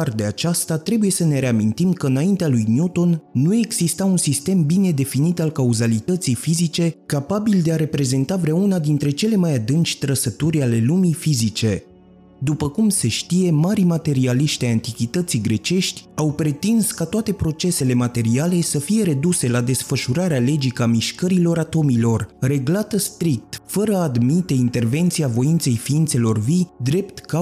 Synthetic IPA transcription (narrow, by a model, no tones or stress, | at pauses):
rd̪eat͡ʃast̪at̪ɾe̞buje̞səne̞ɾe̞amint̪imkəɨnaint̪ealujnjut̪o̞nːue̞ɡz̥ist̪aunsist̪e̞mbine̞d̪e̞finit̪alkauzalit̪ət̪sijfizit͡ʃe̞kapabild̪e̞aɾe̞pɾe̞ze̞nt̪avɾaunad̪int̪ɾe̞t͡ʃe̞le̞majad̪ɨnt͡ʃʲt̪ɾəsət̪uɾʲale̞lumifizit͡ʃe̞ | d̪upəkumse̞ʃt̪ije̞maɾimat̪e̞ɾialiʃt̪ʲajant̪ikʲit̪ət̪siɡɾe̞t͡ʃe̞ʃt̪ʲawpɾe̞t̪inskat̪oat̪e̞pɾo̞t͡ʃe̞se̞le̞mat̪e̞ɾiale̞səfije̞ɾe̞d̪use̞lad̪e̞sfəʃuɾaɾeale̞d͡ʒikəamiʃkəɾilo̞ɾat̪o̞milo̞rre̞ɡlat̪əst̪ɾik̚t̪fəɾəad̪mit̪e̞int̪e̞rve̞nt̪siavo̞int̪se̞jfiint̪se̞lo̞rvid̪ɾe̞pt̪ka